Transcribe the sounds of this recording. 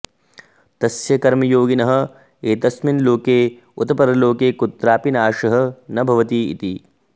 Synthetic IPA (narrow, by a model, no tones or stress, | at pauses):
t̪ɐsjɐkɐɾmɐjoːɡinɐɦɐ̆ | eːt̪ɐsminloːkeː | ut̪ɐpɐɾɐloːkeːkut̪ɾaːpinaːʃɐɦɐ̆nɐbʱɐʋɐt̪iːḭt̪i